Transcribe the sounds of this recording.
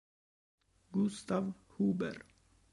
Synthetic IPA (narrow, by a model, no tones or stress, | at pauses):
ɡʊst̪ɑʋ | huːbə̰ɾ